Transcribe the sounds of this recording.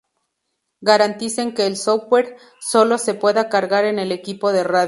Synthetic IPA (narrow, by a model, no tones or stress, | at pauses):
ɡaɾant̪ise̞ŋke̞ːlsoweɾ | so̞lo̞se̞pwe̞ðakaɾɣaɾe̞ne̞le̞kipo̞ðe̞rað